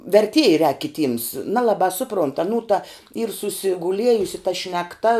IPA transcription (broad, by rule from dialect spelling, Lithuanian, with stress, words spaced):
ʋʲɛrʲˈtʲiɛjɛ rʲɛːk kʲɪˈtʲiːms ˈnɑːlˠɐbɑː ˈsʊˌproːnt ɐˈnuː tɐ iːr sʊsʲɪɡʊˈlʲiɛjʊsʲɪ tɐ ʃʲnʲɛkˈtɐ